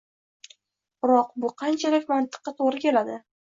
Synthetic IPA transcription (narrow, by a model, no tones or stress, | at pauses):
bɪɾɒqbʊqʰɑnt͡ʃʰalɪkʲmant̪ʰɨ̥qːɑt̪ʰoʁɾɪkʲʰe̞lad̪ɪ